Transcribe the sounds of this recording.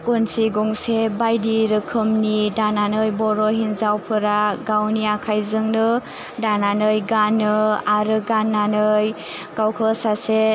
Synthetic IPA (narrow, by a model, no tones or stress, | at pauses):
kunsiɡɔŋsebajdiɾɯkʰɯmnidananɯjbɔɾɔɦinzawpʰɯɾaɡawniakʰajzɯŋnɯ | dananɯjɡanɯaɾɯɡanːanɯj | ɡ̥awkʰɯsase